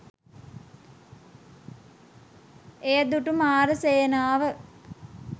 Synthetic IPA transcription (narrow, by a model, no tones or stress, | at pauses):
ejəd̪uʈumaːɾəsejənaːʋə